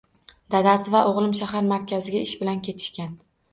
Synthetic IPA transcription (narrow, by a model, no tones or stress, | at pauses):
d̪̥ad̪asɪvaʔoʁlˠɪmʃahaɾmaɾkʲazɪɡʲaɪʃbɪlankʲʰe̞t̪ʰɪ̥ʃkʲan